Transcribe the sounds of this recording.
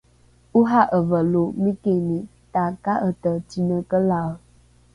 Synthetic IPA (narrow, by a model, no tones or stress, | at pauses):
uɦaʔəvəlomĩkenitakaʔətətinəkəla